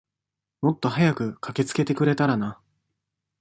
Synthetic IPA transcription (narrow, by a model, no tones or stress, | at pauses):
mo̞t̪ːo̞ɦajakɯ̟kʰakʲe̞t͡sɨ̥ke̞t̪e̞kɯ̟ɾe̞t̪aɾana